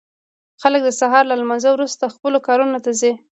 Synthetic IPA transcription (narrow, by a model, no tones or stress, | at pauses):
xalək̚d̪əsaɦɑɾlalmɑnzəwɾust̪axpəlokɑɾunot̪azi